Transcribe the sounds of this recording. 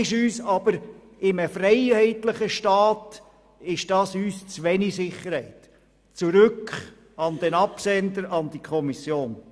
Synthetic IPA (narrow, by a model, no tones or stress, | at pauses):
ɪʃyːsɑb̥əɾ | ɪməfrɛɪhɛɪt̪ləχəʃtɑːt | ɪʃd̥ɑːsyːst͡sʋɛnisɪχəɾhɛɪt | t͡suɾʏk | ɑnd̥ɛnɑpsɛnd̪əɾɑnd̥ikʰɔmisjoːn